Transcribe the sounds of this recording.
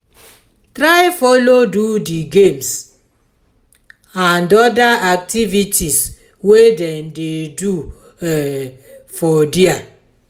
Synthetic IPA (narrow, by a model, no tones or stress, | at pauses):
tɾaɪfɔlodudiɡems | ãndɔdaʔak̚tivitʰis | wedɛ̃ndedu | ɛfɔdia